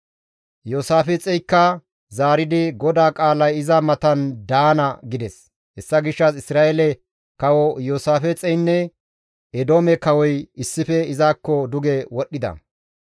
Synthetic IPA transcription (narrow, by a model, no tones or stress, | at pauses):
joːsaːfɛt͡sʼɛjkːɐ | zaːɾɪd̪ɪɡɔd̪aːkʼaːlɐjɪzɐmɐt̪ɐnd̪aːnɐɡɪd̪ɛs | hɛsːɐɡɪʃːɐsɪsɾaːʔɛlɛ | kɐwɔjoːsaːfɛt͡sʼɛjnːɛ | ɛd̪oːmɛkɐwɔjɪsːɪfɛɪzaːkːɔd̪ʊɡɛwɔɗːɪd̪ɐ̰